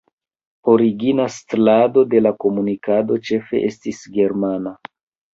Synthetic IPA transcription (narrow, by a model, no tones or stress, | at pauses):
o̞ɾiɡinastlado̞de̞lako̞munikado̞t͡ʃe̞fe̞̰ʔe̞stisɡe̞ɾmana